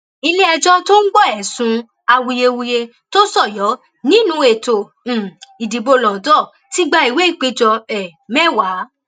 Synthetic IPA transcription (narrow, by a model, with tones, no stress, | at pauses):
i˧le˦ɛ˧d͡ʒɔ˦to˦n̩˦ɡ͡bɔ˦˨ɛ˨sũ˧ | a˧wu˧je˧wu˧je˧ | to˦sɔ˦˨jɔ˨˦ | nĩ˦nũ˧˦e˨tõ˨i˨di˨bo˧lɔ̃˨dɔ˦˨ | ti˦ɡ͡ba˧i˨we˨˦i˦˨k͡pe˧d͡ʒɔ˧ɛ˨mɛ̃˦˨wa˨˦